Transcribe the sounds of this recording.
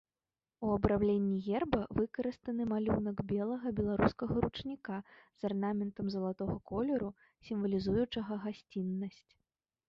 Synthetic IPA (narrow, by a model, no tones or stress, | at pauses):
uɐbɾawlʲenʲːiɣʲɛrbɐvɨkɐɾɨst̪ɐnɨmalʲunɐɡbʲɛlˠɐɣɐbʲɛlˠaɾuskɐɣɐɾut͡ʂnʲikaz̥arnamʲɛnt̪ɐmzɐlˠat̪ɔɣɐkɔlʲɛɾu | sʲimvɐlʲizujut͡ʂɐɣɐɣasʲt͡sʲinːɐsʲt͡sʲ